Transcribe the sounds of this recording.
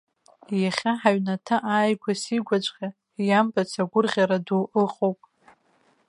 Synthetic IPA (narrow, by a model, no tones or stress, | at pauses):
jaχʲaħaɥnatʰaʔaːjkʷʰasiɡʷat͡ʃʷʼqʲʼa | jambat͡sʰaɡʷʊrʁʲaɾaduʔɨqʼowpʼ